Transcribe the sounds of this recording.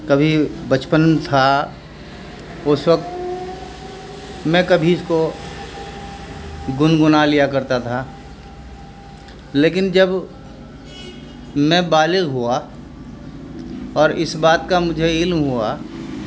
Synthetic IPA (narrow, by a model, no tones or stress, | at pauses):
kəbʱibət͡ʃpənt̪ʰa | ʊswək̚t̪ | mɛ̃kɐbʱiɪsko | ɡʊnɡʊnalijakɐɾt̪at̪ʰa | leːk̬ɪnd͡ʒəb | mɛ̃baːlɪɡɦua | ɔːɾɪsbaːt̪̚kamʊd͡ʒʱeɪlmɦua